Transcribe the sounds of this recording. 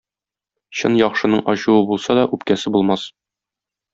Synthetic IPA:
ɕɤnjɒχʃɤ̆nɤɴʔɒɕuwɤbulˠsɑd̪ɒʔʉpkæsɘbulˠmɑs

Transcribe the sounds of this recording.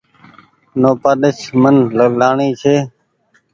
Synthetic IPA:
noːpaːɗ̪əʃmənləɡɗaːɳiːt͡ʃʰeː

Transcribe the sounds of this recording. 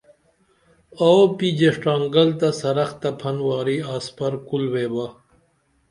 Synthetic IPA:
aopid͡ʑeʂʈaːŋɡɐlt̪ɐsɐɾɐxt̪ɐpʰɐnwaːɾiaːspɐɾkulweːba

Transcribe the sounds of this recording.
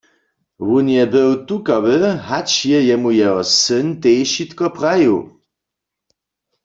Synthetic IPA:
wunjɛbəwt̪ukawɪhat͡ʃjɛjɛmujɛɔsənt̪ejʃit̪kɔpʁajṵ

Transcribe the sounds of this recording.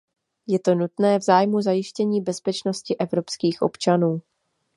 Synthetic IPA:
jɛt̪o̞nut̪nɛːvzaːjmuzajɪʃcɛɲiːbɛspɛt͡ʃno̞scɪʔɛvɾo̞pskiːxʔo̞̰pt͡ʃanuː

